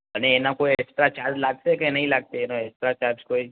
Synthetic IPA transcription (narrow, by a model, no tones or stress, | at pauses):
əneːnakoiɛksʈɾat͡ʃaɾd͡ʒlaɡ̚t̪ekẽnəɦĩlaɡ̚t̪eːnoɛksʈɾat͡ʃaɾskoi